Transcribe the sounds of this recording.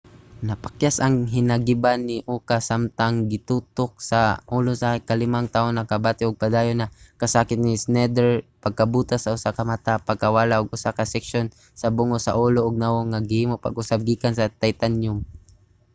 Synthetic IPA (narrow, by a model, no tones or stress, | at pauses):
nɐpakjasɐŋɦɪnaɡɪbanːɪʔuːkasamt̪aŋɡɪt̪uːt̪ok̚saʔuːlosakalɪmaŋt̪aːʔonakabaːt̪ɪʊɡ̚pad̪aːjonakɐsaːkɪt̪̚nɪsnɛd̪ɛɹpaɡ̚kabuːt̪asɐʔʊsakɐmat̪apaɡ̚kawalaʔʊɡʔʊsakasɛkʃon | sɐbʊŋosa̰ʔuːloʔʊɡ̚nawoŋaɡɪhiːmopa̰ɡʔʊsab̚ɡiːkansɐt̪ajt̪anjʊm